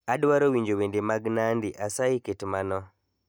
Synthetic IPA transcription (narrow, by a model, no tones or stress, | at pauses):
adwaɾowiɲd͡ʒowendemaɡnandiʔasaiketimanɔ